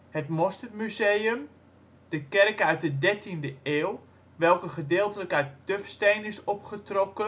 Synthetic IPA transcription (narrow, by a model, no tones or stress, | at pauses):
hətmɔstərmyzejəm | d̥əkɛrkœɥt̚dədɛrtindəeːlˠ | ʋɛlˠkəχədɪːlˠtələkœɥttøfstejnɪsɔpχətrɔkə